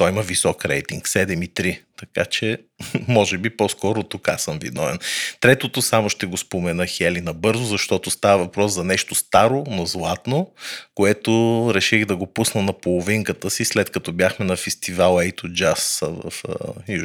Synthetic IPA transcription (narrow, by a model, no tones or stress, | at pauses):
t̪ɔimɐvisɔkɾɛ̰jt̪iŋksɛd̪ɛmit̪ɾit̪ɐkat͡ʃɛ | mɔʒɛbipɔskɔɾʊt̪ːʊka̰səmvḭd̪nɔvɛ̰nt̪ɾɛt̪ot̪osamoʃt̪ɛɡospomɛnɤxɛlinɐbɤɾzʊzɐʃt̪ɔt̪ost̪avəvɐpɾɔszɐnɛʃt̪ost̪aɾonozlˠat̪nokoɛt̪oɾɛʃiɣd̪ɐɡopusnənɐpolˠoviŋkət̪əsislɛt̪kɐt̪ɔbʲjaxmɛnɐfɛst̪ivalˠɛjt̪od͡ʒasvə̰fju